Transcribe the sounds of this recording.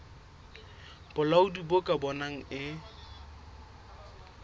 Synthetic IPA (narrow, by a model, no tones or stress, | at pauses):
b̥ʊlaʊdibokʼabɔnaŋ̩ɪ